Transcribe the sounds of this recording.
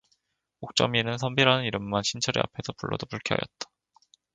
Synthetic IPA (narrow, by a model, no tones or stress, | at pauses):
ok̚t͡ɕ͈ʌminɯnsʰʌmbiɾanɯniɾɯmːanɕʰint͡ɕʰʌɾḛa̰pʰe̞sʰʌpuɭːʌdopuɭkʰiɦa̰jʌ̰t̚t͈ḁ